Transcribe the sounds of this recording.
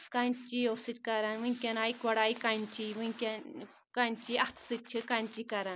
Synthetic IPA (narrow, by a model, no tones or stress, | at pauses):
kant͡ʃiosɨt̪kaɾanwɨŋkʲanajkʷaɽajkant͡ʃiwɨŋkʲa | kant͡ʃiat̪ʰsɨt͡ʃʰɨkant͡ʃikaɾan